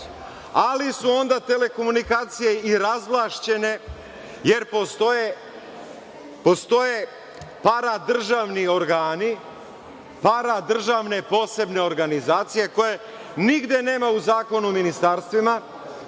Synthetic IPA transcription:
alisuo̞nd̪at̪e̞le̞ko̞munikaːt̪sije̞iɾazlˠaʃt͡ɕe̞ne̞ | je̞ɾpost̪oje | post̪o̞je̞ | paɾad̪r̩ʒaːʋnio̞ɾɡaːni | paɾad̪r̩ʒaʋne̞po̞ːse̞bne̞o̞ɾɡanizaːt̪sije̞ko̞je̞ | niɡd̪je̞ne̞ːmauzaːko̞numinist̪aːɾst̪ʋima

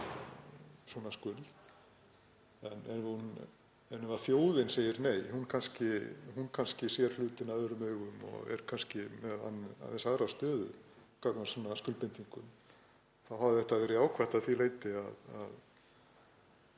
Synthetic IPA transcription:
sɔnaskʏl | ɛnːɛnun | ɛnːʏmafjoːwðɪnseːjɪɾneːjhunkʰanscɪhunkʰanscɪsjɛɾ̥lʏːt̪ɪnaðʏɾʏmœːɣʏmɔ̰ɣɛ̰ɾ̥kʰanscɪmɛða̰na̰θɛsaðɾast̪œːðʏ̰kaːknasɔnaskʏlpɪnt̪iŋkʏm | θawɦavðɪðθɛht̪aðvɛːɾɪaːwkʰvaht̪aðθileːjt̪ɪaða̰ð

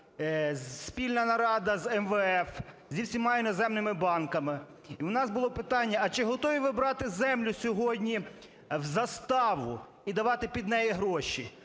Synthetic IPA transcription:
zspʲilʲnɐnɐɾɑd̪ɐzɛmʋɛɛf | zʲiwsʲimɑinɔzɛmnɪmɪbɑnkɐmɪ | iwnɑzbʊlˠɔpɪt̪ɑnʲːɐɐt͡ʃɪɦɔt̪ɔʋʲiʋɪbɾɑt̪ɪzɛmlʲʊsʲɔɦɔdʲnʲi | wzɐst̪ɑʋʊ | id̪ɐʋɑt̪ɪpʲid̪nɛjiɦɾɔʃi

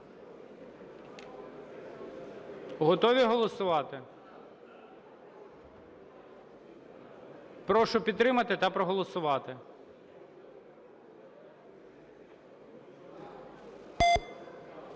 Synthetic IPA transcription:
ɦɔt̪ɔʋʲiɦɔlˠɔsʊʋɑt̪ɪ | pɾɔʃʊpʲid̪t̪ːɾɪmɐt̪ɪt̪ɐpɾɔɦɔlˠɔsʊʋɑt̪ɪ

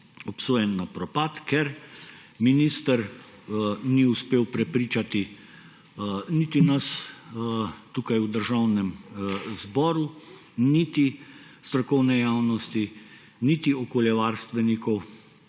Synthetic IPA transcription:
ɔpsoːjɛnːapɾɔpaːt̪kʰɛɾ | minist̪əɾ | niuspeːwpɾɛpɾiːt͡ʃat̪i | nit̪inɐs | t̪ukajud̪əɾʒawnɛmzbɔːɾu | nit̪i | st̪ɾɔkɔwnɛjaːwnɔst̪i | nit̪iɔkoːljɛʋaːɾst̪ʋɛnikɔw

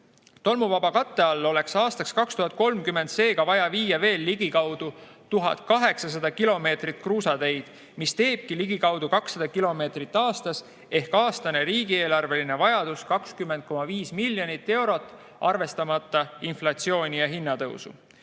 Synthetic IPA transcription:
t̪o̞lmuvɑbɑkɑt̪ːe̞ɑlːo̞le̞ksɑːst̪ɑkskɑkst̪uhɑt̪̚ko̞lmkymːe̞nd̪se̞ːɡ̥ɑvɑjɑviːjɑve̞ːlːiɡ̥ikɑwd̪̥u | t̪uɦɑ̰d̪̥kɑɦe̞ksɑs̬ɑd̪̥ɑkilo̞me̞ːt̪rit̪ˑkruːsɑt̪e̞jd̪̥ | mist̪e̞ːb̥̚kiliɡ̥ikɑwd̪̥ukɑksːɑd̪̥ɑkilo̞me̞ːt̪rit̪ːˑɑːst̪ɑs | e̞hkɑːst̪ɑne̞ɾiːɡ̥ieːlɑrve̞line̞vɑjɑd̪̥uskɑkskymːent̪̚ko̞mɑviːsmilʲːjonit̪ːe̞wɾo̞t̪ːˑ | ɑrve̞st̪ɑmɑt̪ːˑɑinflɑt̪sio̞ːnʲijɑɦinːɑt̪ɤ̰wsṵ

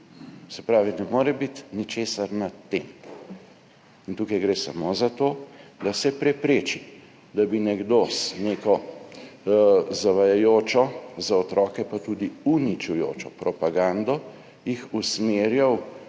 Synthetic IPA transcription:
sɛpɾaːʋinɛmoːɾɛbit̪nit͡ʃeːsaɾnat̪ːem | int̪uːkajɡɾeːsa̰mozat̪oːd̪asɛpɾɛpɾeːt͡ʃi | d̪abinɛɡd̪osneːkɔ | zaʋajajoːt͡ʃɔzaɔt̪ɾɔkɛpat̪ud̪iunit͡ʃujo̰ːt͡ʃɔpɾɔpaɡand̪ɔ | jixusmeːɾjaw

